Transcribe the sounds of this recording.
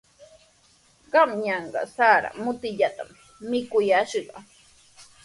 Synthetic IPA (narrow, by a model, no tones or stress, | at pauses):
ɢɑmɲɑɴɢɑ̰saːɾa̰mʊt̪ɪʎat̪amː | ɪkʊjaʃɢɑ